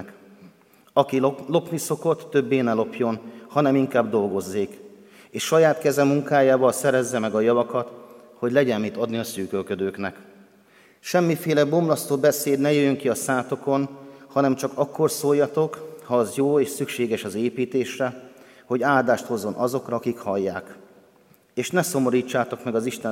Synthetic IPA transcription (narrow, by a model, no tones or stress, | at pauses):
k | ɒkilo̞pniso̞ko̞t̪ːøbːeːnɛlo̞pjo̞nhɒnɛmiŋkaːbd̪o̞lɡo̞zːeːk | eːʃʃɒjaːt̪kɛzɛmuŋkaːjaːvɒlsɛɾɛzːɛmɛɡɒjɒvɒkɒt̪ | ho̞ɟlɛɟɛnmit̪ɒd̪niɒsyːkølkød̪øːknɛk | ʃɛmːifeːlɛbo̞mlɒst̪oːbɛseːd̪nɛjøjøŋkiɒsaːt̪o̞ko̞nhɒnɛmt͡ʃɒkɒkːo̞rsoːjːɒt̪o̞khɒːzjoːeːʃsykʃeːɡɛʃɒzeːpiːt̪eːʃrɛ | ho̞ɟaːld̪aːʃt̪ho̞zːo̞nʔɒzo̞krɒɒkikhɒjːaːk | eːʃnɛso̞mo̞ɾiːt͡ʃːaːt̪o̞kmɛɡɒziʃt̪ɛ